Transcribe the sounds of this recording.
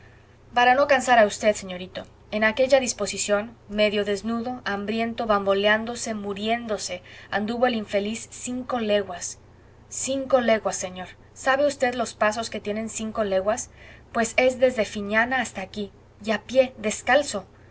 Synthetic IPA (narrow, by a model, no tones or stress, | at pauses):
paɾano̞kansaɾaust̪e̞ðse̞ɲo̞ɾit̪o̞ | e̞nake̞ʝaðispo̞sisjo̞nme̞ðjo̞ðe̞znuðo̞ʔambɾje̞nt̪o̞βambo̞leand̪o̞se̞muɾje̞nd̪o̞se̞and̪uβo̞eliɱfe̞lisːiŋko̞le̞ɣwasː | iŋko̞le̞ɣwasːe̞ɲo̞ɾ | saβe̞ust̪e̞ðlo̞spas̬o̞ske̞t̪je̞ne̞nsiŋko̞le̞ɣwaspwe̞se̞zðe̞zðe̞fiɲanaːst̪aːki | japje̞ðe̞skalso̞